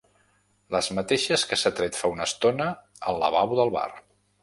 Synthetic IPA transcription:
ləzmət̪eʃəskəsat̪ɾet̪faunəst̪onə | əlˠə̰βawðəlˠβa̰r

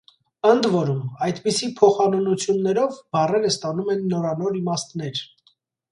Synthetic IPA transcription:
ənd̪vɔɾumɑjt̪pisipʰɔχɑnɔnut͡sʰjunːɛɾɔvbɑrɛɾəst̪ɑnumɛnːɔɾɑnɔɾimɑst̪nɛɾ

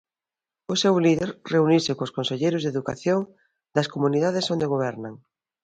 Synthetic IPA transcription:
ʊsewliðeɾreunisɪkoskonseʎejɾʊzðeðuka̰θjoŋ | d̪ɐskomuniðaðɪsond̪eɣoβ̞ɛɾnɐŋ

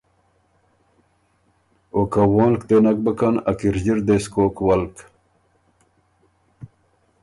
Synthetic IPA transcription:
okɐwoːlkt̪enɐk̚bɐkɐnɐ̰kiɾd͡ʑiɾd̪eskoːkwɐlk

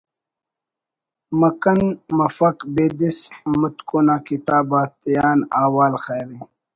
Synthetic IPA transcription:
mɐkɐnmɐfɐkbeːd̪ismut̪koːnaːkit̪aːbaːt̪ijaːnaːwaːlxeːɾi

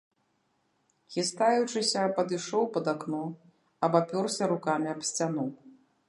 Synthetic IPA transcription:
ɣʲist̪ajut͡ʂɨsʲɐpɐd̪ɨʂɔwpɐd̪aknɔ | ɐbapʲɔrsʲɐɾukamʲiɐpsʲt͡sʲanɔw

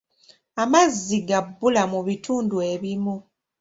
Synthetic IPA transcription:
amazːiɡabːulamuβituːndue̞βimu

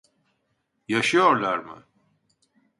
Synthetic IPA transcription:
jaʃijoɾlaɾmɨ̰

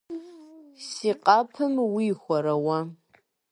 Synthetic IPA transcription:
siqʼɑpʰɨmwiːxʷɔɾɐwɐ

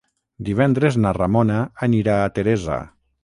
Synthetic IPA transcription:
d̪iβ̞ɛnd̪ɾeznaramonaːniɾaːt̪eɾɛza̰

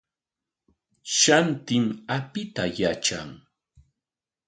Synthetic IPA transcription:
ʃant̪ɪmapɪt̪ajat͡ʃa̰ŋ

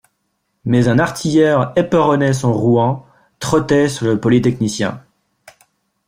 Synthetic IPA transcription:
mɛzɛ̃naʁt̪ʰijɛʁepəʁɔnɛsɔ̃ʁuɛ̃ | t̪χɔt̪ɛsyʁləpɔlit̪ɛknisjɛ̰̃

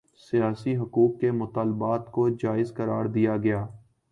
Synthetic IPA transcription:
sijaːsiɦʊkuːkːemʊt̪aːlbaːt̪kod͡ʒaːɪzkəɾaːɾd̪ijaɡɐjaː

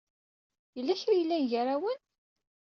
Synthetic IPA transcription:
jəlːæçɾijəlːæʝəɾawən

